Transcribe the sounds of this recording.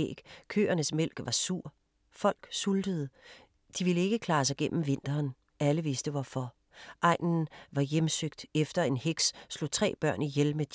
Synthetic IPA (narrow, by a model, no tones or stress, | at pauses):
ḛːɡ̥kʰø̰ːɐnəsmel̰ɡ̥ʋɑ̈suɐ̰ | fɒ̽l̰ɡ̥suld̥əð̞̩ˠə | d̥iʋiləe̝ɡ̥əkʰlɑ̈ːsɑ̈ɪɡ̥en̰m̩ʋe̝n̰d̥ɐːn | æləʋe̝sd̥əʋɒfɒ | ʔɑ̈ɪ̰nn̩ʋɑ̈jemsøɡ̥̚d̥efd̥ɐe̝nhe̝ɡ̥sslo̝̰t͡sʰʁɛ̰ːb̥ɶɐ̰nijelmed̥